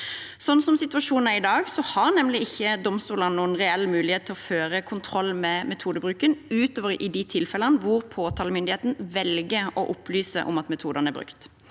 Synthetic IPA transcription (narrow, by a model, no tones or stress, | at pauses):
sɔnːsɔmsɪt̪ʋɑʂuːnn̩æɪd̪ɑːɡsɔhɑʁnɛmːlɪɪçːəd̪ɔmst̪uːlənnuːənʁɛɛlːmʉːlɪheːt̪ʰːɪlɔføːɾəkʰʊnt̪ʰʁɔlːmɛmɛt̪ʰuːd̪əbʁʉːkənʉːt̪oːʋəɾʔɪd̪ɪt̪ʰɪlfɛlənʋʊʁpʰoːt̪ʰɑːləmʏnd̪ɪheːt̪n̩ʋɛlɡəɔʔʊplyːsə̰ʔɔ̰mɑt̪mɛt̪ʰuːd̪ənæɾbʁɾʉ̰kt̪